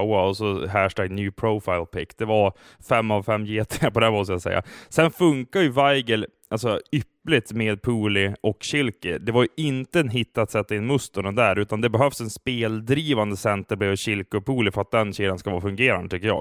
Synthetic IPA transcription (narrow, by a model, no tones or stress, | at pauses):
waɔsɔɦæʂʈæɡnjʉːpʰɾoʊfaɪlpʰɪkːd̪̥ɛva | fɛmːavfɛmːjeːt̪ʰːpɔd̪æmɔst̪əjasɛ̰jːʔa̰sɛnfɵŋkajɵvajɡəl | ʔalsɔʏpːlɪt̪meːd̪̚pʰuːlɪʔɔkɕɪlkəd̪ɛvaɾjɵʔɪnt̪əɛnɦɪt̪ːat̪sɛt̪ːaɪnːmɵst̪ʊɳənd̪æːɾʉːt̪and̪ɛbɛɦœvsɛnspeːld̪ɾiːvand̪əsɛnt̪əɾb̪ɛːɔɕɪlkəpʰuːlɪfœɾat̪̚d̪ɛnɕiːd̪anskavɑ̰ːfɵŋɡeːɾand̪ət̪ʏkːəjɑ̰ːɡ